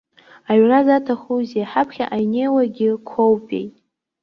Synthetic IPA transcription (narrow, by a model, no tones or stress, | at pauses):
aɥrazatʰaχuziaħapʰχʲaʔajnejwaɡʲɪkʷʰowpʼḛjtʼ